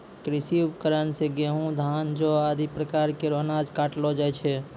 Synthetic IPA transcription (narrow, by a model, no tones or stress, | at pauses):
kɾɪsikəɾənseɡeɦũd̪ʱaːnd͡ʒoad̪ʱipɾəkaːɾkeɾonad͡ʒkaːʈlod͡ʒaːɛt͡ʃʰɛ